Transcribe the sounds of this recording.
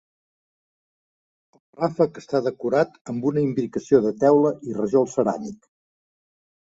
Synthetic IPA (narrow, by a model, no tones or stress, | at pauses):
əlˠrafəkəst̪aðəkuɾat̪əmbunəimbɾikəsioðət̪ɛwləʔirəʒolˠsəɾa̰nik